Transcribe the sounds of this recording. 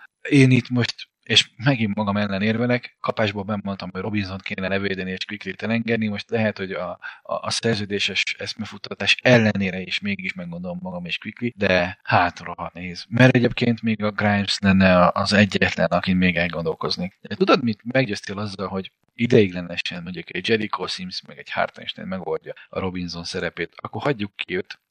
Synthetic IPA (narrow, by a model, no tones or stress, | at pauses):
eːniːt̪mo̞ʃt̪ | eʃmɛɡimːɒɡɒmɛlːɛneːrvɛlɛkːɒpaːʒbolbɛmːo̞nt̪ɒmojro̞binzo̞nt̪̚keːnɛlɛveːd̪ɛnieːʃkʋikliːt̪ɛlɛŋɡɛd̪nimo̞ʃt̪lɛɦɛt̪ho̞ɟɒ̰ːsɛrzøːd̪eːʃɛʃɛsmɛfut̪ːɒt̪aːʃɛlːɛneːɾɛeːʃmeːɡiʃmɛɡɡːond̪o̞lomːɒɡɒmeːʃkʋiklid̪ɛhaːt̪roɦɒnɛɦeːzmɛɾɛɟeːpkeːnt̪meːɡɒɡrajmslɛnːɛɒʔɒzɛɟːɛt̪lɛ̰nɒkinmeːɡɛlɡo̞nd̪o̞lko̞zneːkɛt̪ud̪od̪mit̪mɛɡɟøːst̪eːlɒzːɒlɦo̞ɟ | id̪ɛjiɡlɛnɛʃɛnmoɲukɛɟd͡ʒɛɾikʰoːsimsmɛɡɛɟha̰rt̪ɛ̰ʃt̪ɛ̰ːnmɛɡolɟɒɒ̰ɾo̞binzo̞nsɛɾɛpeːt̪ɒkːorhɒɟːukʰːiøt̪